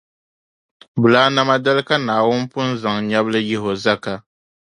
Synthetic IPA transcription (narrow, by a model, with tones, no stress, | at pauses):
bʊ˨laː˦na˦ma˦da˦lɨ˦ka˦naː˨wʊ˦n˦pʊ˦n̩˦za˨ŋɲa˦blɨ˦jɪ˦ɦo˨za˦ka˨